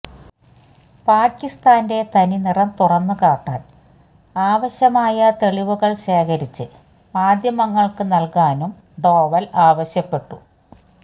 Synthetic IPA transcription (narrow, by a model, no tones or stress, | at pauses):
paːkːist̪aːnde̞t̪ɐninirɐmt̪urɐnːɨkaːʈːaːn | aːʋɐɕjɐmaːjɐt̪e̞ɭiʋuɣɐɭɕe̞ːkʰɐɾit͡ɕːɨ | aːd̪ʱjɐmɐŋːɐɭkɨnɐlkaːnum | ɖo̞ːʋɐlaːʋɐɕjɐpːe̞ʈːu